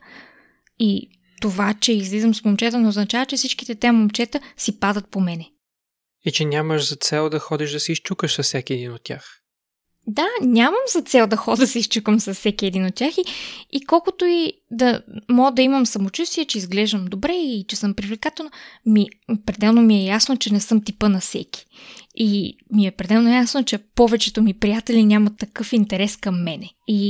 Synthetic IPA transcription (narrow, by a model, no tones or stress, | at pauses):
i | t̪ovat͡ʃɛizlizəmsmomt͡ʃɛt̪ənooznɐt͡ʃavət͡ʃɛfsit͡ʃkit̪ɛt̪ɛmomt͡ʃɛt̪əsipad̪ət̪̚pomɛnɛ | it͡ʃɛnʲaməʃzɐt̪sɛlˠd̪ɐxɔd̪ɛʒd̪ɐsɛist͡ʃukəʃsɐsːjakʲiɛd̪inot̪̚tːʲa̰x | d̪anʲaməmzɐt̪sɛlˠd̪ɐxɔd̪ɐsɛist͡ʃukəmsɐsːɛkʲiɛd̪inot̪̚tʲjaxiikɔlˠkot̪oid̪ɐmɔɡd̪ɐiməmsɐmot͡ʃust̪iɛt͡ʃɛizɡlɛʒd̪ɐmd̪obɾɛit͡ʃɛsɤmpɾivlʲɛkat̪ɛlˠnomipɾɛd̪ɛlˠnomiɛjasnot͡ʃɛnɛsɤmt̪ipənɐsɛ̰ki̥ | imiɛpɾɛd̪ɛlˠnojasnot͡ʃɛpɔvɛt͡ʃɛt̪omipɾijat̪ɛlinʲamɐt̪ːɐkɤfint̪ɛɾɛskɐmːɛnɛi